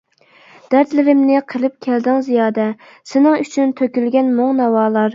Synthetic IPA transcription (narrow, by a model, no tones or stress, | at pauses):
d̪̥æɾt̪lɪɾɪmnɪqʰəlˠɨp̚kʲʰɛld̪ɪŋzijɑːd̪ɛ | sɪnɪŋyt͡ʃʰynt̪ʰøkʲylɡʲɛnmoŋnɑwɑːlˠɑɾ